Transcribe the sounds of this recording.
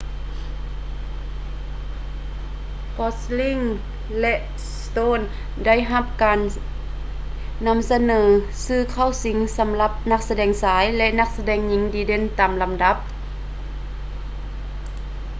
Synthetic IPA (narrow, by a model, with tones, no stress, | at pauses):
kɔ˧˥sli˧˥˨ŋ | lɛ˧ʔ | st̪oː˧˥˨n | da˥˨jɦa˧˥p̚kaː˨n | a˧˥˨msa˧nɤː˩˦sɯː˧˥˩kʰa˧˥˩wsi˨˧˦ŋsa˨˦mla˧˥p̚na˧k̚sa˧dɛː˨˩ŋsaː˩˦jlɛ˧ʔna˧k̚sa˧dɛː˧˩ŋɲi˧˦ŋdiː˧˦de˧˥˨nt̪aː˨˩mla˨mda˧˦˥p̚